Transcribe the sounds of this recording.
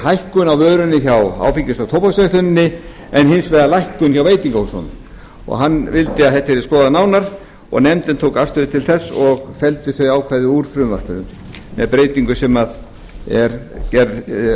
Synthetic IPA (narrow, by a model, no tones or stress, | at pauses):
hajhkʏnawvœːɾʏnːɪçawa̰ːwficɪst̪awt̪ʰowpasœht̪ʏnɪnːɪ | ɛnhɪnsveðalajhkʏnçawveːjt̪iŋkahushɔ̰nʏ̰m | ɔ̰ɣɦanːvɪlt̪ɪaðθɛht̪aɛɾɪskɔːðanaːwnaɾ̥ | ɔ̰ɣnɛmt̪ɪnt̪ʰowkafst̪ʏðɪt̪ʰɪlθɛsːɔɣfɛlt̪ʏθœɥaːwkʰvaðɪuɾ̥fɾʏːmvar̥kʏɾʏ̰m | mɛ̰ðpɾeːjt̪iŋkʏsɛmað | ɛɾcɛɾð